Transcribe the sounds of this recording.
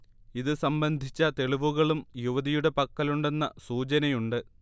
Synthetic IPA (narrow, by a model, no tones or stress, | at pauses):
iðɨsɐmbɐnd̪ʱit͡ɕːɐt̪e̞ɭiʋuɣɐɭumjuʋɐðijuɽe̞pɐkːɐluɳɖe̞nːɐsuːt͡ɕɐnɐjuɳɖɨ